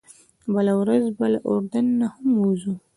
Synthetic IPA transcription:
bəlawɾazbalaʔoɾd̪anːahamwuzu

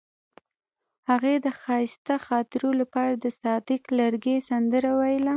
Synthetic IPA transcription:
haɣed̪əxɑjst̪axɑt̪ɪɾolapɑɾad̪əsɑd̪ɪkləɾɡesand̪əɾawajla

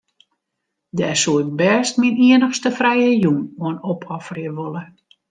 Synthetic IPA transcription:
dɛːsuɪk̚bɛːstminiənəxstəfrɛjəjumoənopʰɔfriəʋolˠə

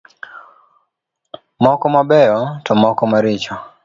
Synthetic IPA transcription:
mɔkɔmabɛɔtɔmɔkɔmaɾit͡ʃɔ

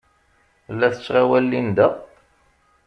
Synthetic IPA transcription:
lːæθə̥t͡sːʁawælːind̪æ

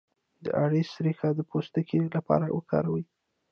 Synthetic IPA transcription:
d̪ə̰ʔaɽisɾixad̪əpʰost̪akʰelapɑ̰ɾawʔəkʰɑ̰ɾawə

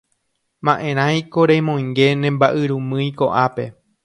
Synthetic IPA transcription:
mãʔẽ̞ɾ̃ãjkoɾejmõj̃ŋɡe̞nẽmbaʔɨɾũmɨ̃jko̞ʔape̞

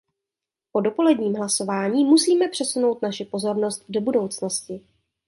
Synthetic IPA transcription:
po̞do̞po̞lɛdɲiːmɦlaso̞vaːɲiːmusiːmɛpr̥ɛsuno̞wt̪naʃɪpo̞zo̞ɾno̞st̪̚do̞budo̞wt͡sno̞scɪ

